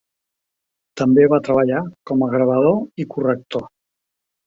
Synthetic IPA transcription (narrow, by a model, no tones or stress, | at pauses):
t̪əmbeβat̪ɾəβ̞əʎakɔməɣɾəβ̞əð̞oikurək̚t̪o